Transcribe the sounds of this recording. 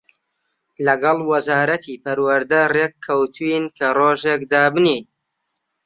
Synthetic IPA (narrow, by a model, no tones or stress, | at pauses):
lɐɡɑlˠwɐzaːɾɐt̪ʰiːpɐɾwɐɾd̪ɐrekʰːɐwt̪ʰuinkʰɐroːʒeːk̚d̪aːbɨniːn